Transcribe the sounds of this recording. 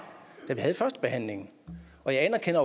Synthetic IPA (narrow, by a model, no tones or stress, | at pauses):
d̥æ̥hæð̩ˠfɶɐsd̥əb̥e̝hæn̰le̝ŋ̩ | ɒ̽jɑ̈ænɐkʰenɐ